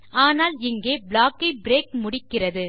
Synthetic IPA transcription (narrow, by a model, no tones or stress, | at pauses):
ʔaːnaːlɪŋɡeːbɭaːkːɐɪbɾeːk̚mʊɽɪkːɪrɐðɯ